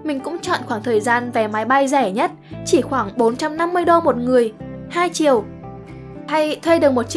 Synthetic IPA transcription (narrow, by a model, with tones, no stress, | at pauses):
mï˨˩ŋ̟kʊ̰˧˥ŋ͡mt͡ɕɔ̰˧˨nxwaː˧˩ŋt̪ʰəː˨˩jzaː˧nvɛ˨˩maː˨˦jɓa˧jzɛ˧˩ɲə˦˥t̚t͡ɕi˧˩xwaː˧˩ŋɓo˨˦nt͡ɕa˧mna˧mːɨ˧əjɗo˧mo˨˩t̚ŋɨ˨˩əjhaː˧jt͡ɕḭ˨əw | ha˧jt̪ʰwe˧ɗɨ˨˩ək̚mo˨˩t̚t͡ɕ